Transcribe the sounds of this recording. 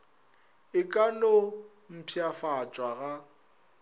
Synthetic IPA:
ɪkʼano | m̩pʰjafat͡ʃʼwaɣa

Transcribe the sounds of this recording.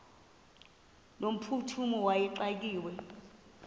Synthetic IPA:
lom̩pʰutʰumɔwajɛǃak̬iːwɛ

